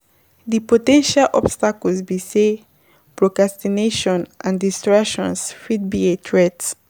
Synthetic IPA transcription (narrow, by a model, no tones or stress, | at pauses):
ðipotɛ̃nʃalʔɔ̰bstakɔlzbise | pɹokɹastineʃɔ̃nʔãndistɹakʃɔ̃nsfid̚bietʰɹɛts